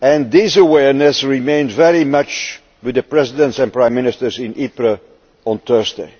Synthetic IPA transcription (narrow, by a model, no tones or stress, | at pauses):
ɛ̃nðizəwɛɹnɨsɹɪmẽɪ̃ndvɛɹimʌt͡ʃ | wɨðəpɹɛzɪdə̃ntsɛ̃npɹãɪ̃mɪnɪstə˞zɪ̃nʔipɹə | ɔ̃nt̪ɜ˞zdḛɪ